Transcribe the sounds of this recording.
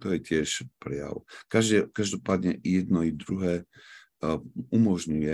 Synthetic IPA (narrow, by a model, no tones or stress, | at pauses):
t̪ɔjɛcɪɛʃpɾɛja̰wkaʒkaʒd̪ɔpaːd̪ɲɛjɛd̪nɔid̪ɾuɦɛː | umɔʒɲujɛ